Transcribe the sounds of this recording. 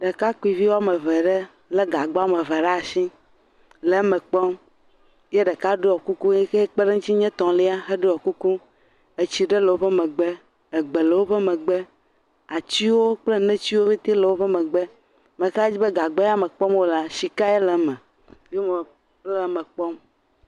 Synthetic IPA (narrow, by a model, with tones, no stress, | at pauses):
ɖe˨ka˦ku˦i˨vi˦wa˦me˨vɛ˨ɖe˦ | le˦ɡa˨ɡ͡bɔ˦a˦me˨vɛ˨ɖa˦˨si˦ | le˨˦mɛ̃˨k͡pɔ˦m | je˦ɖə˨ka˦ɖo˦ɔ˨ku˦ku˦ɛ˦ke˦k͡pe˦ɖe˦ŋu˦t͡ɕi˦ɲɛ̃˦t̪ɔ̃˨le˦a˦ɦe˦ɖo˦ɔ˨ku˦ku˦ | e˨t͡ɕi˦ɖe˦lə˨wo˦ɸe˦mẽ˨ɡ͡be˦ | e˨ɡ͡be˨le˨wo˦ɸɛ˦mẽ˨ɡ͡be˦ | a˨t͡ɕi˦wo˦k͡ple˦nɛ̃˦t͡ɕi˦wo˦vi˦t̪e˦le˨wo˦ɸe˦mẽ˨ɡ͡be˦ | me˨ka˦d͡ʑi˦be˦ɡa˨ɡ͡bɔ˦ja˦me˨k͡pɔ˦mwo˦la˦ʃi˨ka˦e˦le˨˦mɛ̃˨ | jo˦me˨˦ | le˨˦mẽ˨k͡pɔ˦m